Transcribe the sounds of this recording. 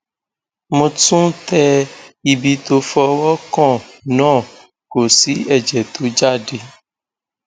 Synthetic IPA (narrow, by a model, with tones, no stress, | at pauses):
mõ˨tũ˦t̪ɛ˦i˨bi˨t̪o˨fɔ˧wɔ˦kɔ̃˦˨nɔ̃˦˨ | ko˨si˦ɛ˨d͡ʒɛ˨t̪o˨˦d͡ʒa˦˨ɖe˨